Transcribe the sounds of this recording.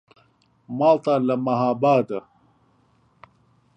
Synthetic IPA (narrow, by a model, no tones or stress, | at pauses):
maːlt̪aːlɐmɐɦaːbaːd̪ɐ